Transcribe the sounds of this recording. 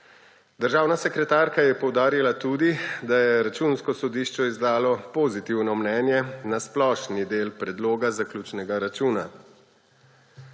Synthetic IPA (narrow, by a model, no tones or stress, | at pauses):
d̪əɾʒaːwnasɛkɾɛt̪aːɾkajɛpɔwd̪aːɾilat̪uːd̪id̪ajɛɾat͡ʃuːnskɔsɔd̪iːʃt͡ʃɔizd̪aːlɔpoːzit̪iwnɔmnɛːnjɛnasplɔːʃnid̪eːlpɾɛd̪loːɡazaklʲjuːt͡ʃnɛɡaɾat͡ʃuːna